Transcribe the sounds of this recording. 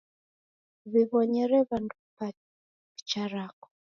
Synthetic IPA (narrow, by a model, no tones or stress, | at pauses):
βiβɔɲɛɾɛβandupa | it͡ʃaɾakɔ̥